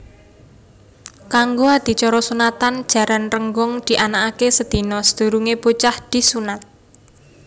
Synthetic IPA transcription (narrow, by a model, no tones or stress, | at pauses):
kaŋɡoad̪̥i̤t͡ʃɔɾɔsunat̪and̥ʒ̥a̤ɾanrəŋɡɔŋd̪̥i̤ʔanakakesəd̪̥i̤nɔsəd̪̥ṳɾuŋebot͡ʃahd̪̥i̤sunat̪̚